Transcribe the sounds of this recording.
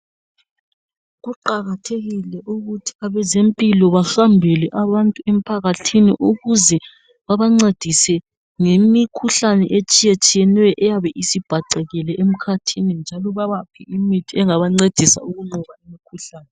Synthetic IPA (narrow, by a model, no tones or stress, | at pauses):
ɣuǃaɣatʰeɣilɛʔuɣutʰi̥aβɛzempʼilɔβaxambʱɛlɛʔaβantʼuem̩pʰaɣatʰinḭʔuɣuzɛ | βaβaŋ͡ǀed̥ʱisɛ | ŋemikʰuɬanɛ̰ʔet͡ʃʼijet͡ʃʼijɛnwɛʔɛjaβɛʔisib̥ʱaǀɛɣɛlɛʔem̩kʰatʰinind͡ʒʱalɔβaβapʰiimitʰiɛŋaβaŋ͡ǀed̥ʱisa̰uɣuŋ͡ǃuɣaimikʰuɬaːnɛ